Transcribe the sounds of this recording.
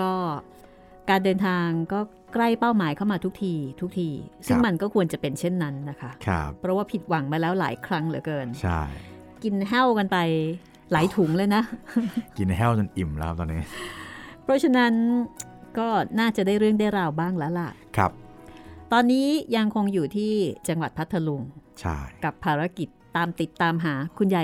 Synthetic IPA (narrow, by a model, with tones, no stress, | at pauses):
kɔː˥˩ | kaː˧ndɤː˧nt̪ʰaː˧ŋkɔː˥˩ | kɾa˥˩jpaː˥˩wmaː˩˦jkʰa˥˩wmaː˧t̪ʰu˦˥k̚t̪ʰiː˧t̪ʰu˦˥k̚t̪ʰiː˧sɯ˥˩ŋma˧nkɔː˥˩kʰu˧ənt͡ɕa˨˩pe˧nt͡ɕʰe˥˩nːa˦˥nːa˦˥kʰa˦˥kʰa˧ppʰːɾɔ˦˥waː˥˩pʰi˨˩t̪̚wa˩˦ŋmaː˧lɛː˦˥wla̰ː˩˦jkʰɾa˦˥ŋlɯ˨˩˦kɤː˧nt͡ɕʰa̰˥˩j | ki˧nɦɛ˥˩wka˧npa˧j | laː˩˦jt̪ʰu˩˦ŋlɤː˧jna˦˥ki˧nɦɛː˥˩wt͡ɕa˧nʔi˨˩mla˦kʰt̪ɔː˧nːiː˦˥ | pʰɾɔ˦˥t͡ɕʰa˧na˦˥n | kɔː˥˩naː˥˩t͡ɕa˨˩daː˥˩jɾɯ˥˩əŋda˥˩jɾa˧wbaː˥˩ŋlɛː˦˥la˨˩kʰa̰˦˧˩p̚t̪ɔː˧nːiː˦˥ja˧ŋkʰo˧ŋjuː˨˩t̪ʰiː˥˩t͡ɕa˧ŋwa˨˩t̪̚pʰa˦˥t̪ʰːa˧lu˧ŋt͡ɕʰa̰˥˩jka˨˩pʰːaː˧ɾa˦˥ki˨˩t̪ːaː˧mt̪i˨˩t̪ːaː˧mɦaː˩˦kʰu˧nja˨˩